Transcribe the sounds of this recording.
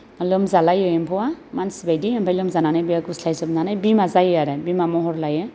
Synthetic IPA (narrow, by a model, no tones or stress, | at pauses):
alɔmzalajɔjɛmpʰɔwamansbajdiɔmpʰajlɔmzananajbijakuslajsɔbnanajbimazajaɾɛbimamɔɦɔɾlajɯ